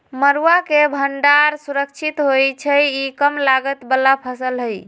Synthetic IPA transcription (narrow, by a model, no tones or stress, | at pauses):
məɾuakebʱəɳɖaɾsuɾək̚t͡ʃʰit̪ɦojt͡ʃʰəjikəmlaɡət̪bəlːapʰəsəlɦəj